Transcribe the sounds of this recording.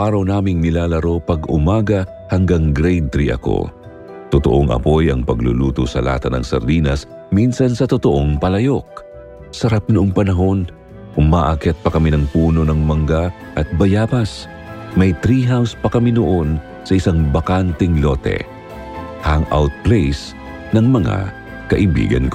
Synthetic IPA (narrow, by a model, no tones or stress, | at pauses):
ʔaːɾɐwnaːmɪŋnɪlaːlɐɾo̞pɐɡʊmaːɡɐ | hɐŋɡaŋɡɾɛjd̪̚t̪ɾiʔɐ̰ko̞̰ | t̪ʊt̪oʔoŋʔɐ̰po̞jɐŋpɐɡlṵluːt̪osɐla̰t̪ɐnɐ̰ŋsɐ̰ɾd̪iːnɐs | minsɐnsɐt̪ot̪oʔo̞ŋpɐlɐjo̞k̚ | sɐɾap̚nʊʔoŋpɐnɐɦo̞n | ʔʊmaːʔakɛt̪̚pɐkɐminɐŋpuːno̞nɐŋmɐŋɡa | ʔɐt̪̚bɐjaːbɐs | mɐjt̪ɾiɦawspɐkɐminoʔo̞n | sɐʔɪsaŋbɐkant̪ɛŋlo̞t̪ɛ̰ | hɐŋʔa̰wt̪̚plejs | nɐŋmɐŋa̰ | kɐʔɪbḭːɡɐ̰nk